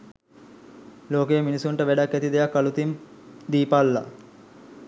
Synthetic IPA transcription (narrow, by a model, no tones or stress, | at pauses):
loːkejminisuɳʈəʋæɖakːæt̪id̪ejakːalut̪imd̪iːpalːa̰